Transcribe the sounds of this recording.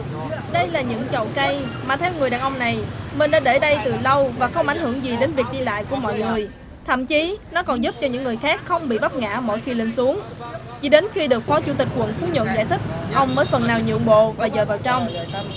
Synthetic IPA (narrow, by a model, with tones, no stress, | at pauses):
ɗə˧jlaː˨˩ɲɨ̰˧˥ŋt͡ɕə̰˧˨wkə˧jmaː˨˩t̪ʰɛ˧wŋɨ˨˩jɗaː˨˩nʔə˧wŋ͡mna˨˩jmi˨˩ŋ̟ɗaː˧ɗe˧˩ɗə˧jt̪ɨ˨˩lə˧wvaː˨˩xə˧wŋ͡mʔa˧˩jŋ̟hɨ˧˩əŋzi˨˩ɗe˨˦nvi˨˩ək̚ɗi˧la̰ː˧˨jku˧˩əmɔ̰˧˨jŋɨ˨˩əj | t̪ʰə̰˧˨mt͡ɕi˨˦nɔ˨˦kɔ˨˩nzu˦˥p̚t͡ɕɔ˧ɲɨ̰˧˥ŋːɨ˨˩jxaː˦˥k̚xə˧wŋ͡mɓḭ˧˨ɓa˦˥p̚ŋa̰ː˧˥mo̰˧˨jxi˧li˧ŋ̟su˨˦əŋt͡ɕḭ˧˩ɗe˨˦nxi˧ɗɨ˨˩ək̚fɔ˨˦t͡ɕṵ˧˥t̪ï˨˩k̟̚kwə̰˧˨nfu˨˦ɲə̰˧˨nza̰ː˧˩jt̪ʰï˦˥k̟̚ʔə˧wŋ͡mməː˨˦jfə˨˩nːaː˨˩wɲɨ̰˧˨əŋɓo̰˧˨vaː˨˩zəː˨˩vaː˨˩wt͡ɕɔ˧wŋ͡m